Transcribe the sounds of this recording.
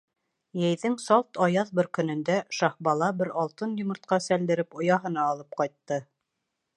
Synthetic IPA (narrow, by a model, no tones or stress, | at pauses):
jæjðɘŋsɑlˠt̪ɑjɑðbɤɾkɵ̆nɵ̆nd̪æʃɑhbɑlˠɑbɘɾɑlˠt̪ɤnjŏmɤ̆ɾt̪̚qɑsæld̪ɘ̆ɾɘpŏjɑɦɤ̆nɑːlˠɤp̚qɑjt̪ːɤ